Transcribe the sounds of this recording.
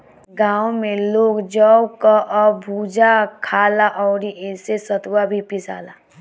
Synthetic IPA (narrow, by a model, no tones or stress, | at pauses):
ɡaːwmẽloːɡd͡ʒɔwkaʔɔbʱuːd͡ʒakʰaːlaʔɔːɾiʔɪsesət̪wabʱipɪsa̰ːlaː